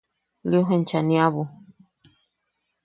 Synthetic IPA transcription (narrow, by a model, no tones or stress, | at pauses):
liuɦent͡ʃanĩaβu